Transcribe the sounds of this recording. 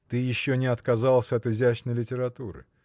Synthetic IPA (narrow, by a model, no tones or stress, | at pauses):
t̪ɨjɪɕːonʲɪɐt̪kɐzalˠsʲəɐt̪ɪzʲæt͡ɕnəjlʲɪtʲɪɾɐt̪uɾɨ̰